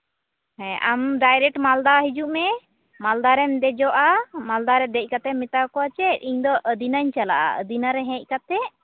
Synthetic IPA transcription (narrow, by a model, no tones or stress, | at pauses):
hɛ̃ʔa̰mɖajɾɛk̚ʈmald̪aɦid͡ʒuʔmɛ | mald̪aɾɛmd̪ɛd͡ʒɔʔamald̪aɾɛd̪ɛc̚ˀkat̪ɛmit̪akɔat͡ʃɛciɲd̪ɔʔəd̪inaɲt͡ʃala̰ʔa̰ə̰d̪inaɾɛɦɛ̃c̚ˀkat̪ɛ